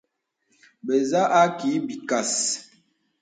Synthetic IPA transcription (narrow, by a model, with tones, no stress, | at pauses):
ɓe˨za˦ʔa˦ki˨˦bi˨ka˨s